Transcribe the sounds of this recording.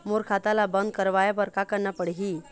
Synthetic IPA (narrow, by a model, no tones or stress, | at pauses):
moɾkʰat̪alabənd̪̚kəɾʋajapəɾkakəɾɳapəɽɦi